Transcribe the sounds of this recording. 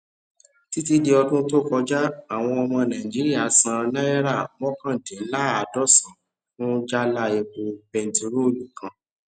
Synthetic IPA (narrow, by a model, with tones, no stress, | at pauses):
ti˦ti˦di˧ɔ˧tũ˦to˦kɔ˧d͡ʒa˦a˦˨w̃ɔ̃˧ɔ˧mɔ̃˧nã˨ĩ˨d͡ʒi˦ɾi˦a˦˨sã˧nã˦ɛ˦ɾa˦˨mɔ̃˦kã˦˨de˨˦la˦˨a˨dɔ˦˨sã˨ | fũ˦d͡ʒa˦la˦˨e˧ko˧bɛ̃˧n˨ti˧ɾo˦˨lũ˨kã˧